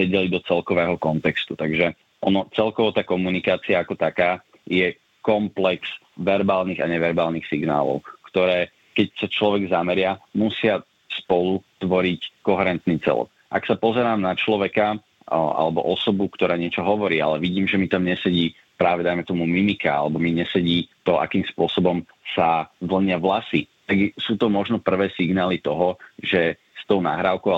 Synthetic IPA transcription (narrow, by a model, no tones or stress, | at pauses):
ɛɟɛlid̪ɔt͡sɛlkɔʋɛːɦɔkɔnt̪ɛkst̪ut̪aɡʒɛ | ʔɔnɔt͡sɛlkɔʋɔt̪aːkɔmunikaːt͡siaakɔt̪akaː | jɛ | kɔmplɛks | ʋɛɾbaːlniːɣaɲɛʋɛɾbaːlniːxsiɡna̰ːlɔ̰ʊkt̪ɔɾɛː | kɛcsat͡ʃlɔʋɛɡzamɛɾɪamusɪa | spɔlut̪ʋɔɾickɔɦɛɾɛnt̪niːt͡sɛ̰lɔ̰k | ʔa̰ksapɔzɛɾaːmnat͡ʃlɔʋɛka | a̰lɛbɔ̰ʔɔsɔbukt̪ɔɾaːɲɪɛt͡ʃɔɦɔʋɔɾiːa̰lɛʋiɟiːmʒɛmit̪amɲɛsɛɟiː | pɾaːʋɛd̪ajmɛt̪ɔmumimikaa̰lɛbɔmiɲɛsɛɟiːt̪ɔʔa̰kiːmspʊɔsɔbɔm | saʋl̩ɲɪaʋlasit̪aɡsuːt̪ɔmɔʒnɔpr̩ʋɛːsiɡnaːlit̪ɔɦɔʒɛ | st̪ɔʊna̰ɦɾaːʊkɔʊa